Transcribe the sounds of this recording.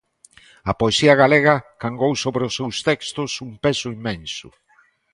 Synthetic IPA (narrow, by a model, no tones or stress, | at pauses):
ɐpoesiɐɣaleɣɐkaŋɡowsoβɾeʊsːewst̪ɛkst̪ʊsumpesʊimːẽnsʊ̰